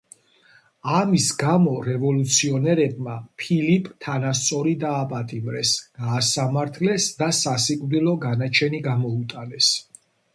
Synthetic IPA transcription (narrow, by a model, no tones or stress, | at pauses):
amisɡamɔɾɛvɔlut̪sʰiɔnɛɾɛb̚mapʰilipʼt̪ʰanast̪sʼɔɾid̪aːpʼat̪ʼimɾɛsɡ̥aːsamaɾt̪ʰlɛsd̪asasikʼvd̪ilˠɔɡanat͡ʃʰɛniɡamɔut̪ʼanɛs